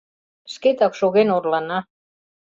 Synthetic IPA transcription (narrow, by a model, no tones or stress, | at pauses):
ʃket̪ɑkʃoɣenorlɑnɑ